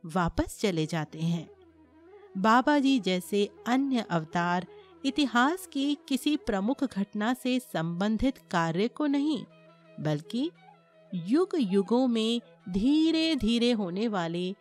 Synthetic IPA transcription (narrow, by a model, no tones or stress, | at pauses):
ʋaːpəst͡ʃɐled͡ʒaːt̪eɦɛ̃ː | baːbad͡ʒiːd͡ʒɛːseɐnjəʔɐʋt̪aːɾ | ɪt̪ɪɦaːskikɪsipɾɐmʊkʰɡʱɐʈnasesɐ̃mbə̃nd̪ʱɪt̪kaːɾjəkonɐɦĩ | bɐlki | jʊɡjʊɡõmẽ | d̪ʱiːɾed̪ʱiːɾeɦoːneʋaːle